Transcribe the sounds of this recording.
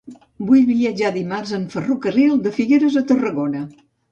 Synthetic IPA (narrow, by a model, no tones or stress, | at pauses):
bujβiəd͡ʒaðimarzəɱfərukərilˠd̪əfiɣeɾəzət̪ərəɣonə